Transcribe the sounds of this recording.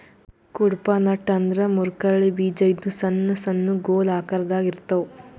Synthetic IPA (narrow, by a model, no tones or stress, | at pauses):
kuɽpanɐʈɐnd̪ɾɐmuɾkɐɾɐɭibiːd͡ʒɐid̪ːusɐnːɐsɐnːuɡoːlaːkɐɾɐd̪aːɡiɾt̪ːɐu